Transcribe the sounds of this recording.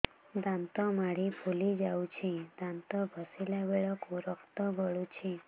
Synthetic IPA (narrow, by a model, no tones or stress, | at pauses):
d̪ãnt̪ɔmaɽipʰulid͡ʒawt͡ʃʰid̪ãnt̪ɔbʱəsilabeɭɔkuɾɔkʰt̪ɔɡʱəɭut͡ʃʰi